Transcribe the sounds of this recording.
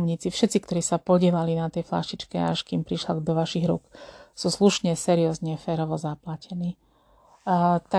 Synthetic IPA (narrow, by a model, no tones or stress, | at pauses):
mɲit͡sifʃɛt̪t͡sikt̪ɔɾiːsapɔɟɪɛlalinat̪ɛjfla̰ʃit͡ʃkɛa̰ʃkiːmpɾiʃlaɡd̪ɔʋaʃiɣɾṵksuːsluʃɲɛsɛɾiɔzɲɛfɛːɾɔʋɔzaplacɛniː | t̪a